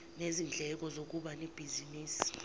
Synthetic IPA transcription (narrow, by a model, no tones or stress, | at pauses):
nezind͡ɮʱɛk̬ɔzok̬uɓanib̥ʱiziniːsi̥